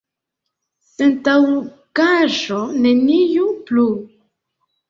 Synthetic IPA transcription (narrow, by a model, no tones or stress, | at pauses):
pentaw | kaʒonenijuplu